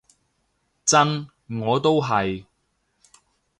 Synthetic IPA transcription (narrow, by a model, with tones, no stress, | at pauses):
t͡sɐ˥n | ŋɔː˨˧t̪o˥wɦɐ˨j